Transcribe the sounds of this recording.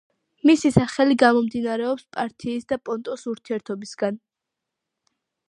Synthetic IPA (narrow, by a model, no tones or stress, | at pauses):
misisaχɛliɡamɔmd̪inaɾɛɔpspʼaɾt̪ʰiːsd̪apʼɔnt̪ʼɔsuɾt̪ʰiɛɾt̪ʰɔbisɡan